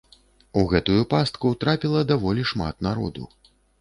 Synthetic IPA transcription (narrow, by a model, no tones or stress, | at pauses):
uɣɛt̪ujupast̪kut̪ɾapʲilˠɐd̪avɔlʲiʂma̰t̪naɾɔ̰d̪ṵ